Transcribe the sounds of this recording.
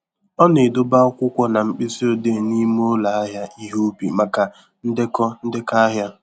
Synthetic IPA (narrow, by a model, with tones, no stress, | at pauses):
ɔ˦ne˨dʊ˦ba˦ɔ˦kʷʊ˦kʷɔ˦na˨ŋ͡m̩˨k͡pi˦zi˦o˨de˦˨ni˦m˦o˦la˨a˦ɦja˦i˦ɦo˦o˦pḭ˨ma˨ka˨ | n̩˦dɪ˦kɔ˦n̩˦dɪ˦ka˦a˦ɦja˦